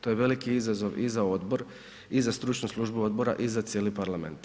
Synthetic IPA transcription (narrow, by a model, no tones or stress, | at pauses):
t̪o̞jeʋe̞likiizazo̞ʋizao̞d̪bo̞ɾ | izast̪ɾut͡ʃnuslˠuʒbuo̞d̪̚bo̞ɾa̰ʔizat̪sʲjeːlipaɾlamḛnt̪